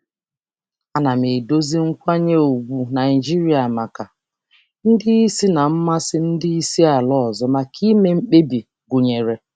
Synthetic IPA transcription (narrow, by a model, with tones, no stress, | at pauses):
a˨na˨mi˨do˦zi˦ŋ̩˦kʷa˦ɲe˦o˨ɡʷu˨na˨i˨d͡ʒi˦ɾi˦a˨ma˨ka˨ | n̩˦dɪ˦i˦si˦na˨m̩˦ma˦sɪ˦n̩˦dɪ˦i˦si˦a˨lɔ˦ɔ˨zɔ˦ma˨kʰi˦me˦m̩˦k͡pe˦bi˨ | ɡu˨ɲe˨ɾe˨